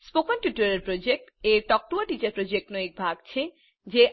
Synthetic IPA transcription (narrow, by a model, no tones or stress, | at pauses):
spokɔnʈjuʈoɾeɾpɾod͡ʑek̚ʈeɾʈɔk̚ʈuaʈit͡ɕaɾpɾod͡ʑek̚ʈnoek̚bʱaɡt͡ɕʰe | d͡ʑe